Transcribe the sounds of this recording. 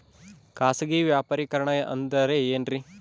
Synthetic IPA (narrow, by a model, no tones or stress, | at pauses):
kaːsɐɡiʋjaːpɐɾikɐɾɐɳɐjɐʔɐ̰nd̪ɐɾeeːnɾi